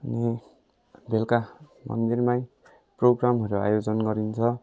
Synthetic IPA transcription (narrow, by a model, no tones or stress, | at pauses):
ʌni | belka | mʌ̰nd̪irmaj | proɡramɦʌɾoa̰jod͡zʌnɡʌɾint͡sʰʌ